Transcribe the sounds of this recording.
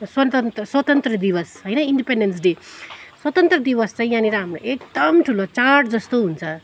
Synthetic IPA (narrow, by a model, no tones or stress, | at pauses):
swɐt̪ənt̪swɐt̪ənt̪ɾəd̪iʋəsɦəjnaiɳɖipeɳɖens̬ɖeswɐt̪ənt̪ɾəd̪iʋəst͡saĩjaniɾaɦamɾo̰ʔek̚d̪əmʈʰulot͡saɾʈʰd͡zʌst̪oɦunt͡sʰʌ